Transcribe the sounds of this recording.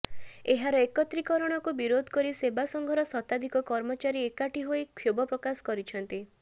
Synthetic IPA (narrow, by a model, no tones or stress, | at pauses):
eɦaɾɔekɔt̪ɾikɔɾɔɽ̃ɔkubiɾod̪ʱɔ̥kɔɾisebasɔŋɡʱɔɾɔsɔt̪ad̪ʱikɔkɔɾmɔt͡ʃaɾiekaʈiɦoikʰjobɔpɾɔkasɔ̥kɔɾit͡ʃʰɔnt̪i